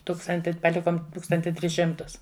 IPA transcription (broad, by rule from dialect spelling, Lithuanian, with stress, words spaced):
ˈtuːkstɐnʲtʲɪ pɐˈlʲɪkoːm ˈtuːkstɐnʲtʲɪ ˈtʲrʲɪs ˈʃʲɪmtʊs